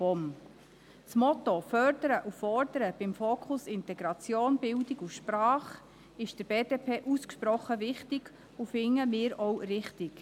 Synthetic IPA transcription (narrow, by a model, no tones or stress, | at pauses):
ɔm | t͡smɔt̪ofœrdəɾəʔufɔrd̥̪əɾəb̥ɪmfoːkʰχʊsɪnt̪ɛɡɾɑt͡sjoːnbɪldɪɡuʃprɑːχ | ɪʃd̥əɾbeːdeːpʰeːʔuskʃpɾɔχːəʋɪχtɪɡ̥ | ufɪŋːəmɪːɾɔwrɪχtɪk